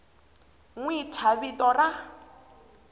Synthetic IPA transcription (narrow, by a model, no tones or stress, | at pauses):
ŋwitʰaβitɔra